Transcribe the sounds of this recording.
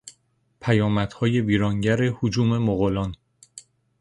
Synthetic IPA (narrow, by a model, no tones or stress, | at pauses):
pʰæjɒːmæd̪̥hɒːje̞viːɾɒːŋɟæɾehod͡ʒuːme̞moɣolɒːn